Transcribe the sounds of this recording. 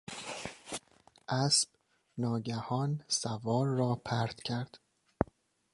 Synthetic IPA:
ʔæsb̥ | nɒːɟæhɒːnsævɒːɾːɒːpʰæɾt̪cʰæɾd̪̥

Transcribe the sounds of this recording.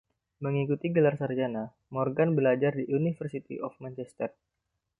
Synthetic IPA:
məŋikut̪iɡəlarsard͡ʒana | mɔrɡanbəlad͡ʒardiʔunifərsit̪ḭʔɔfmant͡ʃɛst̪ɛr̚

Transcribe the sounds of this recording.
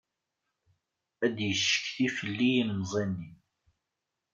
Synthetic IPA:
æd̪jəʃːə̥kθifəlːijinːzˤenːi

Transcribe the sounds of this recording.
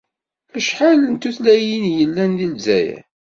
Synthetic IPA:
æʃħalənt̪uθlæjinjəlːænðilzæ̰jæ̰

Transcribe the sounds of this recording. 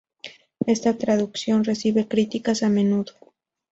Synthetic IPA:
e̞st̪at̪ɾaðuksjo̞nre̞siβe̞kɾit̪ikasamẽ̞nuðo

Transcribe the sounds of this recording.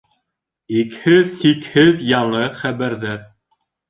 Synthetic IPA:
ikhɘðsikhɘðjɑɴɤχæβæɾðæɾ

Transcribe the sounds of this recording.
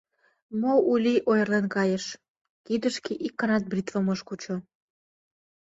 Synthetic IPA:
moulʲiʔojrlenkɑjeʃ | kid̪əʃkiʔikːɑnɑt̪̚brʲit̪və̆moʃkut͡ɕo

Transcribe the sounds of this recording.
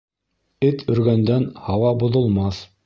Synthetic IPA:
ɘt̪ʰɵ̆ɾɡænd̪ænhɑwɑbŏðŏlˠmɑθ

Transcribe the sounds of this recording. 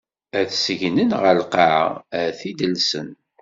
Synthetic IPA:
æθsəʝnənʁəlqaʕ̰æθid̪əlsən

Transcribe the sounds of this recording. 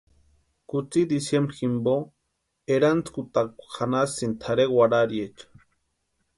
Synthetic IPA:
kut͡sid̪isjemɾximbo | eɾant͡skut̪akʷxanasint̪ʰaɾewaɾaɾjet͡ʃḁ

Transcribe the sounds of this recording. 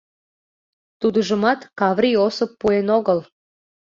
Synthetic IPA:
t̪ud̪əʒə̆mɑt̪kɑvɾʲiosəpːuenoɣəl

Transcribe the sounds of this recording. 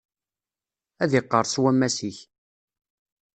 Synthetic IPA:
æðiqːəɾˤswæmːæsiç

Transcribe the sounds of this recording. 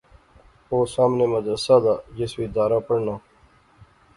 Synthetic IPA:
oːsaːmneːməd̪ɾəsaːd̪aːd͡ʒɪswiːd̪aːɾaːpəɽnãː

